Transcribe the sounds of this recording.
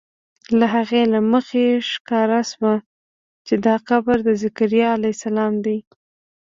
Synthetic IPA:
laɦaɣelaməxeʃkɑɾaʃwa | t͡ʃed̪ɑxabɾd̪əzakaɾijɑalajsalɑmd̪aj

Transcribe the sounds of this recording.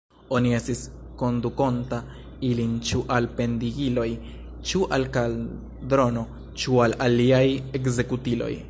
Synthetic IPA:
o̞nie̞stisko̞nduko̞nta | ilint͡ʃuʔalpe̞ndiɡilo̞j | t͡ʃuʔalkal | dɾo̞no̞ | t͡ʃualaliajekze̞kutilo̞̰j

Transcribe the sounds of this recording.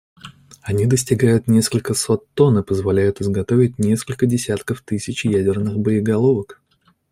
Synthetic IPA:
ɐnʲid̪əsʲtʲɪɡajʊt̪nʲe̞skəlʲkəsot̪ːo̞nɨpəzvalʲæjʊt̪ɨzɡɐt̪o̞vʲɪt̚ʲnʲe̞skəlʲkədʲɪsʲat̪kəft̪ɨsʲɪt͡ɕjædʲɪrnɨxbəɪɡɐlˠo̞vək

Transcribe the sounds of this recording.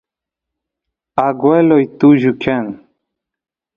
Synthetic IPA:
aɡwelojt̪uʑukʰen

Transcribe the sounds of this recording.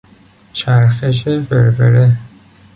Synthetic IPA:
t͡ʃʰæɾxeʃ̬efeɾveɾe

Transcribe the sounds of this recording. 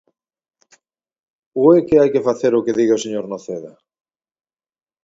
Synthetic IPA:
ʊekeajkefaθeɾʊkeðiɣaoseɲoɾnoθeðɐ

